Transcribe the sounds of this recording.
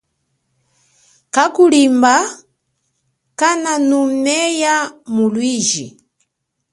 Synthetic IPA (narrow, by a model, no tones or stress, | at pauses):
kakulimba | kananumɛjamulwiːʒi